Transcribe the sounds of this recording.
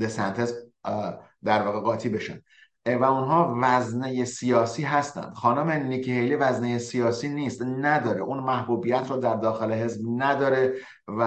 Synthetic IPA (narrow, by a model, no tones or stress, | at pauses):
d̪esænt̪ʰez | d̪æɾvɒːɣe̞ɣɒːt̪ʰiːbe̞ʃæ̰nd̪ | væunɦɒːvæznejesijɒːsiːɦæst̪æ̰nd̪̥xɒːnume̞nikʰihejlivæznejesijɒːsiːniːst̪næd̪ɒːɾeʔuːnmæhbuːbijæt̪ʰɾɔːd̪æɾd̪ɒːxe̞le̞ɦe̞zbnæd̪ɒːɾe | v